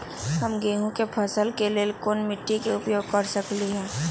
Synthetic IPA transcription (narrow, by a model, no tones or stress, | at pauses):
ɦɐmɡeːɦũkepʰəsəlkeleːlkoːnmɪʈːikeʊpjoːɡ̚kəɾsəkliɦɛ̃ː